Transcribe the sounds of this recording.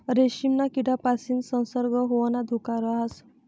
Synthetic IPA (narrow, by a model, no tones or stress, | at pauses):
ɾeɕimnakiɽapasiːnsə̃w̃səɾɡəɦoʋanad̪ʱokaɾəɦas